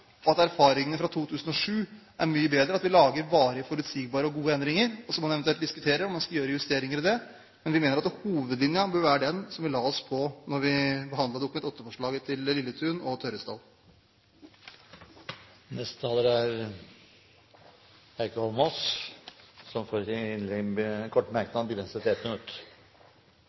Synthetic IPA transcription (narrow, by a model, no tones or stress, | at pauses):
ɔɑt̪æɾfɑːɾɪŋənəfɾɑt̪ʰuːt̪ʰʉːsən̩ɔʂʉːʔæɾmyːəbeːd̪ɾəɑt̪ʋɪlɑːɡəɾʋɑːɾəfɔɾʉt̪siɡ̚bɑːɾəɔɡuːəɛnd̪ɾɪŋəɾɔsɔmɑnɛʋnt̪ʉɛlt̪d̪ɪskʉt̪ʰeːɾəɾɔmɑnskɑljøːɾəɪʋɛst̪eːɾɪŋəɾɪd̪ɛ | mɛnʋɪmeːnəɾɑt̪huːʋəd̪lɪnjənbøːɾʋæːɾəɖɛnsɔmʋɪlɑːɔspʰɔnɔɾʋɪbəɦɑnd̪ɑd̪ʊkʉmɛnt̪ɔt̪ːəfɔʂɭɑːɡət̪ʰɪllɪlːət̪ʰʉːnɔt̪ʰœʏɾəst̪ɑ̰ːl | nɛst̪ət̪ʰɑːləɾæɾ | æɪkəhɔlmɔs | sɔmfoːɾɪɪnlɛkʰɔʈːmæɾknɑnbəɡɾɛnsət̪ɪɛt̪mɪnʉt̪ː